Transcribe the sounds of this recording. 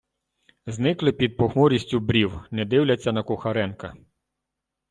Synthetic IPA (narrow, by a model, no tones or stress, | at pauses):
znɪklˠɪpʲid̪̚pɔxmɔɾʲisʲtʲʊbɾʲiwnɛd̪ɪwlʲɐt͡sʲːɐnɐkʊxɐɾɛnkɐ